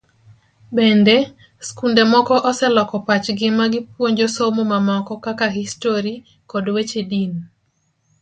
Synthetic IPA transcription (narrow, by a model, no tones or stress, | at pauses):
bɛndɛ | skundemɔkɔʔɔsɛlɔkɔpat͡ʃɡɪmaɡɪpwoɲd͡ʒosomomamɔkɔkakaɦistoɾi | kɔdwet͡ʃedin